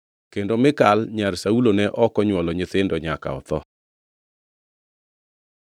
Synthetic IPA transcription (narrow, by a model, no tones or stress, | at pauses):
kendomɪkalɲaɾsaulonɛʔɔkɔɲwɔlɔɲɪt̪ɪndɔɲaka̰ɔ̰t̪ɔ